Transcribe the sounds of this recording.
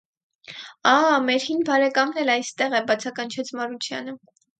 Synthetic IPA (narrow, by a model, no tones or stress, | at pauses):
ɑmɛɾhinbɑɾɛkɑmnɛlɑjst̪ɛʁɛbɑt͡sʰɑkɑnt͡ʃʰɛt͡sʰmɑɾut͡ʃʰjɑ̰nə